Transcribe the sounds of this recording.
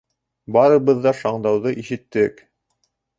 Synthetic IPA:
bɑɾɤ̆βɤ̆ðːɑʃɑɴd̪ɑwðɤʔiʃɘ̆t̪ːɘk

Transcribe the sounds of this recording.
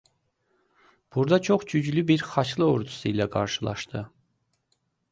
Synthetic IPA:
b̥uɾd̪ɑt͡ʃʰoχd͡ʒyd͡ʒlybiɾχɑt͡ʃlˠɯoɾd̪u̥suilæɡɑ̰ɾʃɯlˠɑ̰ʃt̪ɯ

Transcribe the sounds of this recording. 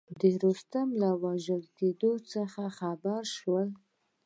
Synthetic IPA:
d̪əɾost̪amlawaʒəlked̪ot͡səxaxabaɾʃwəl

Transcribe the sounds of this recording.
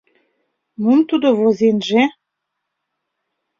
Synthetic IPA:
mumt̪ud̪ovozenʒe

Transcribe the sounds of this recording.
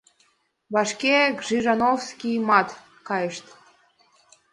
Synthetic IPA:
βɑʃkekʒiʒɑnofskʲijmɑt̪ | kɑjəʃt̪

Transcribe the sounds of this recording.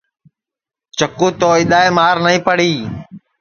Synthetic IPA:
t͡ʃəkũːt̪oːɪɗ̪aːeːmaːɾnəĩːpəɽiː

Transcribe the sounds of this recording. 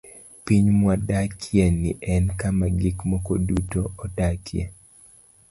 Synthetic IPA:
piɲmwadakʰjɛniʔɛnkamaɡikmɔkodutoɔdakʰjḛ

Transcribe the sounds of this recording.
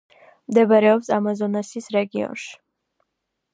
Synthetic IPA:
md̪ɛbaɾɛɔpsamazɔnasisɾɛɡiɔ̰nʃi̥

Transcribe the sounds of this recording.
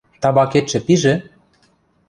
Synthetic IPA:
t̪ɑbɑket̪t͡ʃɘ̆piʒĕ

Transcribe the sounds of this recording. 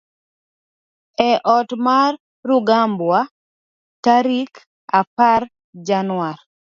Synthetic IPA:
ɛʔɔtmarː | ʊɡambwa | taɾik | apar | d͡ʒanwar

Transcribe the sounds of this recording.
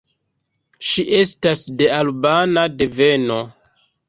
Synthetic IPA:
ʃiʔe̞stasde̞albanade̞ve̞no̞

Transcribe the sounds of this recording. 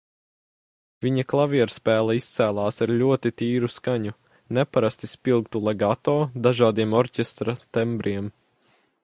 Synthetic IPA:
viɲɐklˠaviɛɾspæːlˠɐist̪sæːlˠɑːsaɾlʲuɔt̪it̪iːɾuskaɲu | nɛpaɾast̪ispilˠkt̪ulˠɛɡat̪ɔːd̪aʒaːd̪iɛmɔɾcʲɛst̪ɾat̪ɛmbɾʔiɛm

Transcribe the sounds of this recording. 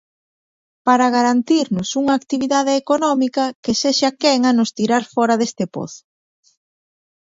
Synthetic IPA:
paɾaɣaɾant̪iɾnʊsuŋaːkt̪iβiðaðeːkonɔmikɐkeseʃakɛŋanʊst̪iɾaɾfɔɾɐðest̪epo̰θ

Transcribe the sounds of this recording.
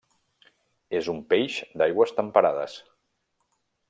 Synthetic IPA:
ezumpeʃd̪ajɣwəst̪əmpəɾað̞ə̰s

